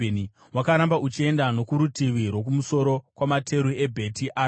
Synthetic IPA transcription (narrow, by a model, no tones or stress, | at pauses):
ni | wakaɾambaʔut͡ʃie̞ndano̞kuɾutiʋiɾwo̞k̬umuso̞ɾo̞kwamatʰe̞ɾue̞bʱe̞tiʔaː